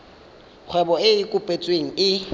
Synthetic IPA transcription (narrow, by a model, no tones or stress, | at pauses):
k͡xʰwɛbɔɪɪkʼʊpʼet͡sʼweŋ̩ɪ